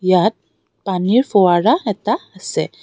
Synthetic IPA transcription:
jat̪̚ | paniɾfɔwaɾaɛt̪aəsɛ

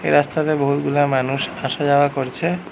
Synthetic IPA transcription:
ḛɾast̪aɾeboɦut̪ɡulamanuʃaʃad͡ʑaoakoɾt͡ɕʰe

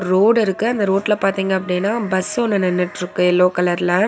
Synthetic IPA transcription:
ɾoːɽɪɾɯkːɯɐnd̪ɐɾoːʈːɪlɐpaːɾt̪iːŋɡɐɐp̬ːɐɽɪnːaːbɐsɔnːɯnɛnːɪʈːɪɾɯkːɯɛlːoːkɐlɐɾɪlɐ

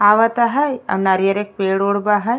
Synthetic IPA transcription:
aːʋɐt̪aɦɐjɐ̰mnaɾijɐɾek̚peːɽoːɽbaɦɐj

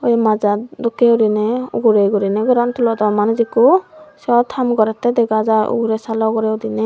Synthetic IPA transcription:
ɔjmad͡ʒad̪ɔkɛudinɛṵɡuɾejɡuɾinɛɡɔɾant̪ʰulɔd̪ɔmanzikusɔt̪ʰamɡɔɾɛt̪ɛd̪ɛɡazaṵɡuɾɛsalɔɡɔɾɛud̪inɛ

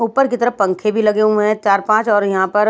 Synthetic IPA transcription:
uːpəɾkit̪ɐɾəɦpɐ̃ŋkʰebʱilɐɡeũɦɛ̃t͡ʃaːɾpãːt͡ʃɔːɾjɐɦãpɐɾ

